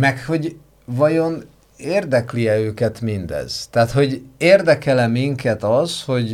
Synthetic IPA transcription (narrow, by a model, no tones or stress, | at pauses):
mɛkho̞ɟ | vɒjo̞n | eːrd̪ɛkliɛøːkɛt̪mind̪ɛ̰z̥t̪aːt̪ho̞ɟeːrd̪ɛkɛlɛmːiŋkɛt̪ɒzho̞ɟ